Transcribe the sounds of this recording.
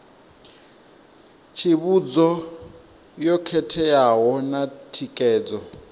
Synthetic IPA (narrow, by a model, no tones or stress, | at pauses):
t͡ʃʰiβud͡zɔ | jɔkʰɛtʰɛjaɦɔnatʰikʼɛːd͡zɔ